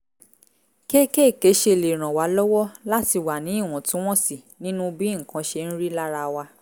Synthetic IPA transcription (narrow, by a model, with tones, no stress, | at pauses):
ke˦ke˦˨ke˨˦ʃe˧˨le˨ɾ̃ã˨wa˨˦lɔ˦wɔ˦la˦ti˦˨wa˨nĩ˨˦i˦˨w̃ɔ̃˨tũ˦w̃ɔ̃˦si˨ | nĩ˦nũ˦bi˦˨kã˧ʃe˧n̩˦ɾi˦la˦ɾa˧wa˧